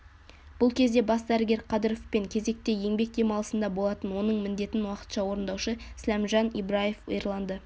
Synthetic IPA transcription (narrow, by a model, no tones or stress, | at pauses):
b̥ʊlˠkʲʰe̞zd̪e̞bɑsd̪æɾɪɡʲe̞ɾqʰɑd̪əɾofpe̞ŋkʲʰe̞ze̞k̚t̪e̞jeŋbe̞k̚d̪e̞mɑlˠəsənd̪ɑbo̞lˠɑt̪ənwo̞nəɴmɪnd̪e̞t̪ɪnwɑqə̥t̪ʃɑwo̞ɾənd̪ɑwʃəslæmʒɑnibɾaje̞fejɾlˠɑnd̪ə